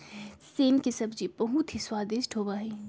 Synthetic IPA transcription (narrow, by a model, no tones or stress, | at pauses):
seːmkisɐbd͡ʒibɐɦʊt̪ʰɦiswaːd̪ɪʃʈʰɦoːbaːɦɛː